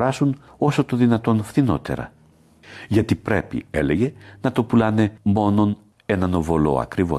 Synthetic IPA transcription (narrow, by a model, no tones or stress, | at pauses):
ɾɐsun | o̞so̞t̪o̞ðinɐt̪o̞nfθino̞̰t̪e̞̰ɾɐ̰ | ʝɐt̪ipɾe̞pḭe̞le̞ʝe̞nɐt̪o̞pulɐne̞mo̞no̞n | e̞nɐno̞vo̞lo̞̰ɐ̰kɾivo̰